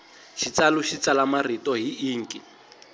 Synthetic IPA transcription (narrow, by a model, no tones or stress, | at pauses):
ʃit͡saluʃit͡salamaritɔɦiiːŋ̩kʼi